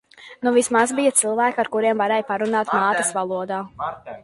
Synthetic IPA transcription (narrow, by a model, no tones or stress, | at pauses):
nuvismasbijat̪silˠvæːkaɾkuɾiɛmvaɾɛːjpaɾunaːt̪maːt̪əsvalˠuɔd̪aː